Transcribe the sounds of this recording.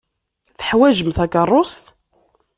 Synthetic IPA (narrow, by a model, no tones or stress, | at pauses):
θə̥ħwæʒəmθækərˤːost̪